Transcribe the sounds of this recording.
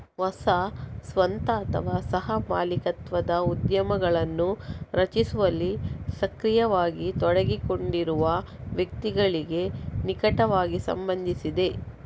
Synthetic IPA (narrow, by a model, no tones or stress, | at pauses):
ʋɐsɐsʋɐnt̪ɐːt̪ʰɐ̰ʋaːsɐɦɐma̰ːlikɐt̪ʋɐd̪ɐud̪jɐmɐɡɐɭɐnːuɾɐt͡ʃisuʋɐlːisɐkɾijɐʋaːɡit̪ɔɽɐɡiko̞ɳɖiɾuʋɐ | ʋjɐk̚t̪iɡɐɭiɡe̞nikɐʈɐʋaːɡisɐ̰mbɐnd̪ʱisid̪e̞